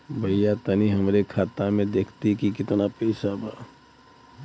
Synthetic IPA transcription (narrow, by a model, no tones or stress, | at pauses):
bʱɐjːat̪ɐniɦɐmɾekʰaːt̪amẽd̪eːkʰt̪ikikɪt̪napɛɪsabaː